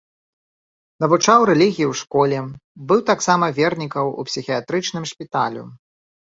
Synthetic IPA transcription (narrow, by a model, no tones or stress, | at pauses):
nɐvut͡ʂawɾɛlʲiɣʲijiwʂkɔlʲɛbɨwt̪aksamɐvʲɛrnʲikɐwṵpsʲixʲiat̪ɾɨt͡ʂnɨmʂpʲit̪alʲṵ